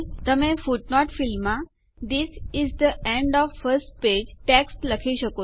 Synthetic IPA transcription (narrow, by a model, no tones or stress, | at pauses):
t̪əmẽfuʈnɔʈfilma | d̪isizd̪əʔẽɳɖɔʋfəɾsʈ̚ped͡ʑʈeksʈləkʰiːɕəko